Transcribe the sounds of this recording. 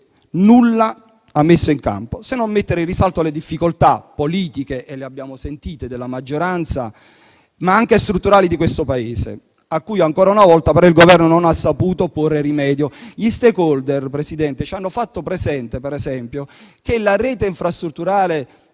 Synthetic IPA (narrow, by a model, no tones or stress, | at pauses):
nulːa | amːesːoiŋka̰mposenːomːet̪ːeɾɪrːisalt̪oaled̪ifːikolt̪apːoliːt̪ikeʔːleabːjaːmosent̪iːt̪ed̪elːamad͡ʒːoɾant̪sa̰ | maaŋk̟est̪ɾut̪ːuɾaːlid̪ikwest̪opaeːsḛ | akːuːjaŋkɔːɾaunavɔlt̪apeɾɔilɡovɛrnononasːapuːt̪oporːerimɛːd̪joʎist̪ekɔld̪erpɾesid̪ɛnt̪et͡ʃanːofat̪ːopɾɛsɛnt̪epɛɾɛsɛmpjokelaɾɛːt̪eiɱfɾast̪ɾut̪ːuɾaːle